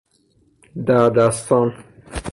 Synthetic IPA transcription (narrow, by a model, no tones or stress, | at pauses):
d̪æɾd̪æst̪ʰɒn